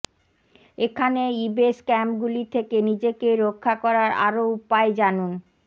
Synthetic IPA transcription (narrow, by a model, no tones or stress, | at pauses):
ekʰaneibeskɛmpɡulit̪ʰekenid͡ʑekeɾokʰːakɔɾaɾa̰ɾoupaed͡ʑanun